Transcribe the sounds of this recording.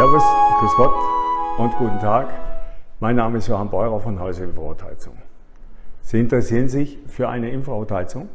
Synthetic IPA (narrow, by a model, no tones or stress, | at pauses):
ɛɐvʊstɡ̥əskɔp̚tʔʊntɡ̥uːtn̩tʰaːkmaɪnːaːməɪstjoːhanbɔʏʁɐfɔnɦɔʏzəɪmfʁaʊtʰa̰ɪt͡sʊ̰ŋ | z̥iːɪntəʁɛsiːʁənzɪçfyːɐʔa̰ɪnəɪmfʁaʊtʰaɪt͡sʊŋ